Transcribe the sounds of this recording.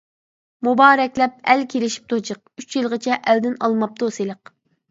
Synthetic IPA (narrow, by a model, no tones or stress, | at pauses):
mubɑːɾɛkʲlɛp̚ɛlkʲʰelɪʃi̥p̚t̪ʰot͡ʃʰəq̚yt͡ʃʰjɨlˠʁət͡ʃʰɛʔæld̪ɪnɑlˠmɑp̚t̪ʰoselˠəq